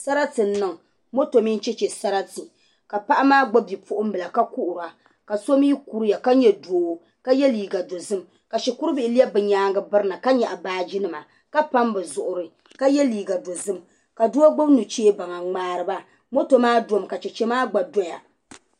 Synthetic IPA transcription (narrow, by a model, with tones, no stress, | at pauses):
sa˦ɾa˦tɨ˨n̩˦nɨ˦˨ŋ˨ | mo˦to˨mi˦n˦t͡ʃɛ˦t͡ʃɛ˨sa˦ɾa˦tɨ˨ | ka˨pa˦ʔa˦maː˦ɡ͡ba˦bi˨pʰʊ˦ʔʊ˦m̩˦bɨ˨la˨ka˦ku˦ʔʊ˨ɾa˨ | ka˨so˦m˦i˦ku˦ɾi˦ja˨ka˦ɲɛ˦doː˨ | ka˦jɛ˦liː˨ɡa˨do˨zɨ˦m | ka˨ʃi˨ku˦ɾɨ˦bɪ˦ʔɪ˦li˦ɛ˦bɨ˨ɲaː˦ŋɡɨ˦bɨ˦ɾɨ˦na˨ka˦ɲɛ˨ʔa˨baː˦d͡ʒi˦nɨ˨ma˨ | ka˦pa˦mbɨ˨zʊ˨ʔʊ˨ɾɨ˨ | ka˦jɛ˦liː˨ɡa˨do˨zɨ˦m | ka˨do˦a˦ɡ͡bo˦bnu˨t͡ʃeː˦ba˨ŋa˨ŋ͡maː˦ɾɨ˦ba˦ | mo˦to˨maː˦do˨mka˨t͡ʃɛ˨t͡ʃɛ˦maː˦ɡ͡ba˨do˦ja̰˨